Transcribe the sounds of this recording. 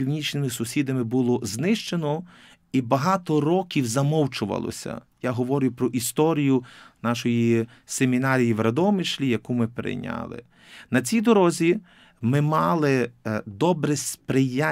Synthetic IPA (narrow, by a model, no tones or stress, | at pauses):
iwnʲit͡ʃnɪmɪsʊsʲid̪ɐmɪbulˠɔznɪʃt͡ʃenɔ | ibɐɦɑt̪ɔɾɔkʲiwzɐmɔwt͡ʃʊʋɐ̰lˠɔ̰sʲɐ̰ | jaɦɔʋɔɾʲɪjʊpɾɔʔist̪ɔɾʲijʊnɑʃɔji | semʲinɑɾʲijiʋɾɐd̪ɔmɪʃlʲijɐkumɪpɾɪ̰jnʲɑ̰lˠɪ̰ | nɐt͡sʲijd̪ɔɾɔzʲi | mɪmɑlˠɪd̪ɔbɾɛspɾɪja